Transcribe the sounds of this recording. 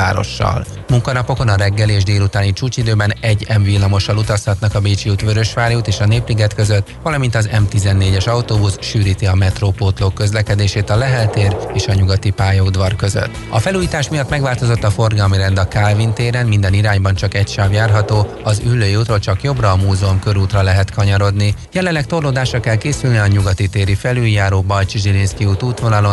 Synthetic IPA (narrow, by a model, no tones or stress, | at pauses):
a̰ːɾo̞̰ʃːɒ̰l | muŋkɒnɒpo̞ko̞nɒɾɛɡːɛleːʒd̪eːlut̪aːnit͡ʃuːt͡ʃid̪øːbɛnɛɟːɛɱvilːɒmo̞ʃɒlut̪ɒshɒt̪nɒkɒbeːt͡ʃiut̪ʋøɾø̞ʃʋaːɾjut̪eːʃɒneːpliɡɛt̪køzøt̪ːʋɒlɒmint̪ɒzɛ̰mt̪izɛnːeːɟɛʃɒut̪oːbusʃyːɾiːt̪iɒmɛt̪roːpoːt̪lokːø̞zlɛkɛd̪eːʃeːt̪ɒlɛɦɛlt̪eːɾeːʃɒɲuɡɒt̪ipaːjɒud̪ʋɒrkø̞zø̰t̪ːɒfɛluːjiːt̪aːʃmijɒt̪ːmɛɡʋaːlt̪o̞zo̞t̪ːɒfo̞rɡɒlmiɾɛnd̪ɒkalvint̪eːɾɛnmind̪ɛniɾaːɲbɒnt͡ʃɒkɛcʃaːvjaːrɦɒt̪oː | ɒzylːøːjiuːt̪rot͡ʃɒkjo̞brɒːmuːzɛomkø̞ɾuːt̪rɒlɛɦɛt̪kɒɲɒɾo̞d̪nijɛlɛnlːɛk̚t̪o̞rloːd̪aːʃrɒkɛlkeːsylniɒɲuɡɒt̪it̪eːɾifɛlyljaːɾoːbɒlt͡ʃʒilinskiuːt̪uːt̪ʋo̞nɒlo̞n